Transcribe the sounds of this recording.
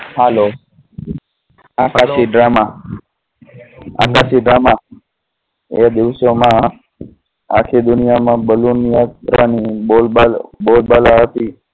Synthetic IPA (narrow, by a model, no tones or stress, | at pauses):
halo | akaʃiɖɾama | a̰kaʃiɖɾama | ḛad̪ɪʋʃomã | a̰kʰed̪ʊnijamãbəlunijat̪ɾanibolbabolbalaɦət̪i